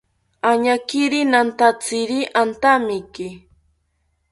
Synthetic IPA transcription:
aɲakɪɾinant̪at͡sɪɾiʔant̪amɪkɪ

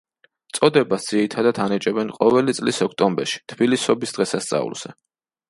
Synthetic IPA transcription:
t̪sʼɔd̪ɛbasd̪z̥iɾit̪ʰad̪at̪ʰanit͡ʃʼɛbɛnqʼɔvɛlit̪sʼlisɔkʰt̪ʼɔmbɛɾʃi̥t̪ʰb̥ilisɔbisd̪̥ʁɛsast̪sʼa̰ṵlˠz̥ɛ

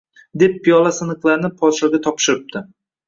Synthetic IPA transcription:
d̪e̞pːijɒlˠasɪnɨqlˠaɾnɪpʰɒt̪ʃɒɡʲat̪ʰɒpʃɪɾɪp̚t̪ʰɪ

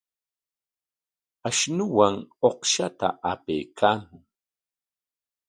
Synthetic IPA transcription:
aʃnʊwaŋoqʃat̪a̰ʔapḛjkʰaːmʊŋ

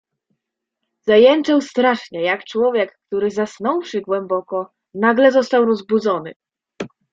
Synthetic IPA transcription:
zajɛnt͡ʂɛwst̪ɾaʂɲɛjakt͡ʂwɔvʲjɛkːt̪uɾɘzasnɔwʂɘɡwɛmbɔkɔ | naɡlɛzɔst̪awɾɔzbud̪zɔnɘ̰

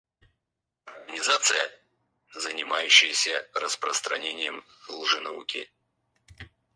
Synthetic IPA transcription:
nʲɪzat̪sɨjə | zənʲɪmajʉɕːɪjəsʲərəspɾəst̪ɾɐ̰nʲenʲɪjəm | lˠʐɨnɐṵkʲɪ̰

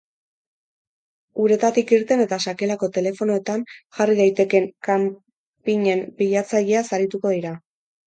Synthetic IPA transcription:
uɾe̞t̪at̪ikiɾt̪e̞ne̞t̪asake̞lako̞t̪e̞le̞fo̞noe̞t̪anʝarið̞ajt̪e̞ke̞ŋkam | piɲe̞mpiʎat͡saʎeasaɾit̪uko̞ðiɾa

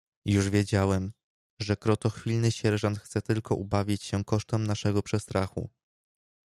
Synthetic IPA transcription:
juʐvʲjed͡ʑawɛm | ʐɛkɾɔt̪ɔxfʲilnɘɕɛɾʐant̪xt̪sɛt̪ɘlkɔʔubavʲjit͡ɕɕɛkɔʂt̪ɛmnaʂɛɡɔpʂɛst̪ɾʔaxṵ

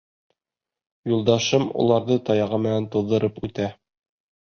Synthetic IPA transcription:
julˠd̪ɑʃɤmṵlˠɑɾðɤt̪ɑjɑʁɤmɘ̆nænt̪uðːɤ̆ɾɤpʉt̪æ

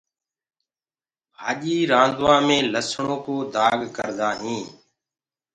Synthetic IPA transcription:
ɦaːʄiːɾãːnd̪ʋãːmẽːləsɳõːkoːd̪ʱaːɡkəɾd̪aːɦĩː

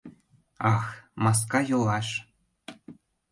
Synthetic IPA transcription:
ɑxmɑs̬kɑjolɑʃ

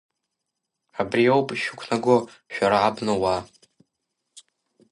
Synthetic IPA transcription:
abriowpʼʃᶣʊkʷʰnaɡʷo | ʃᶣaɾaʕabnɨwa

